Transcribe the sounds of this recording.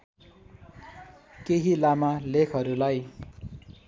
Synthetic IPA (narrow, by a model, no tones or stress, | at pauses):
keɦilamalekʰʌɾulaj